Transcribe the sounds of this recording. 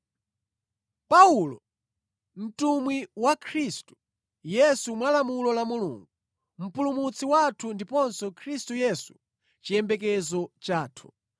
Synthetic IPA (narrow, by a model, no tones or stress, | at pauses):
paulɔ̰ | m̩tumwiwakʰɾistu̥ | jɛsumwalamulɔlamulṵŋɡu | m̩pulumut͡sʰiwatʰundipɔnsɔkʰɾistujɛsu̥ | t͡ʃijɛmbɛkɛzɔt͡ʃaːtʰu̥